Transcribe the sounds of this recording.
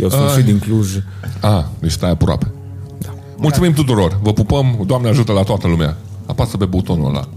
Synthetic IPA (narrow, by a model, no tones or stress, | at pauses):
jḛwsuid̪iŋkluʒ | ad̪et͡ʃst̪ajapɾoa̰pe̞ | d̪a | mult̪sumimt̪ut̪uɾo̞rvəpupəmd̪oamneəaʒut̪əlat̪oat̪əlumea̰ | apasəpe̞bout̪o̞no̰la̰